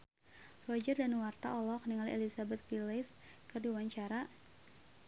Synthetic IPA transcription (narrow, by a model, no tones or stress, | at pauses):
rɔd͡ʒərdanwart̪a̰ʔɔlɔkniŋaliɛ̰lisabɛt̪̚kiles | kərduwaɲt͡ʃaɾa